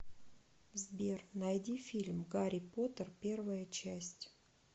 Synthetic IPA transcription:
zbʲernɐjdʲifʲilʲmɡaɾʲɪpot̪ərpʲe̞rvəjət͡ɕæsʲtʲ

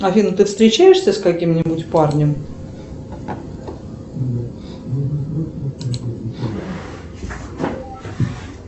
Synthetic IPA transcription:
ɐfʲinʊt̪ɨfst̪ɾʲɪt͡ɕæjɪʂsʲəskɐkʲimnʲɪbʊtʲparnʲɪm

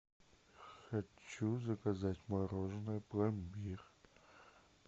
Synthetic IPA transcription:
xɐt͡ɕːuzɐkɐzatʲmɐɾoʐnɨjplˠɐmbʲir

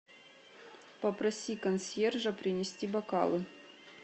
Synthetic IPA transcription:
pɐpɾɐsʲikɐnsʲerʐɐpɾʲɪnʲɪsʲtʲibɐka̰lˠɨ

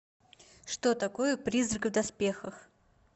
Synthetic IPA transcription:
ʂt̪ot̪ɐkojəpɾʲizrɨkvd̪ɐspʲexəx

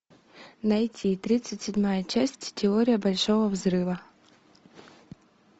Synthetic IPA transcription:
nɐjtʲit̪ɾʲit̪sɨtʲsʲɪdʲmajət͡ɕæsʲtʲtʲɪoɾʲɪjəbɐlʲʂo̞vəvzɾɨvə

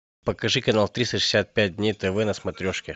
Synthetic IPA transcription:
pəkɐʐɨkɐnalˠt̪ɾʲist̪əʂɨ̥sʲat̪̚pʲæt̚ʲdʲnʲejt̪ɛvɛnɐsmɐt̪ɾʲoʂkʲɪ

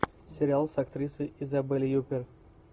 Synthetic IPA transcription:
sʲɪɾʲɪalˠsɐkt̪ɾʲisɨjɪzɐbɨlʲɪjupʲɪr

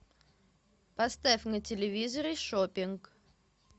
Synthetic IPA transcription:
pɐst̪afʲnətʲɪlʲɪvʲizəɾɨʂopʲɪnk

